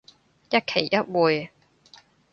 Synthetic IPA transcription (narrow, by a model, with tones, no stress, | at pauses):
jɐ˥t̚kʰe˨˩jːɐ˥t̚wuː˨j